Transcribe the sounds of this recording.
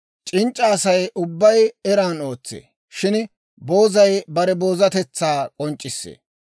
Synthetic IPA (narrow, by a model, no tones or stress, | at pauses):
t͡ʃʼɪnt͡ʃʼːɐːsɐjʔʊbːɐjɛɾaːno̞ːt͡sːḛː | ʃɪn | bo̞ːzɐjbɐɾɛbo̞ːzɐt̪ɛt͡sːaːkʼɔnt͡ʃʼːɪsːḛː